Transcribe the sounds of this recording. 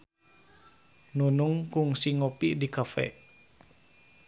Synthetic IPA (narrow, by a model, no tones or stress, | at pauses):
nunuŋkuŋsiŋɔpidikafɛ̰ʔ